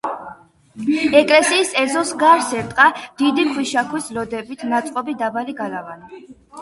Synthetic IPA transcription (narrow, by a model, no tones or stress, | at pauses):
ɛkʼlɛsiːsɛzɔsɡaɾsɛɾt̪ʼqʼad̪̥id̪ikʰwiʃakʰwislɔd̪ɛbit̪ʰnat̪sʼqʼɔbid̪abaliɡalavani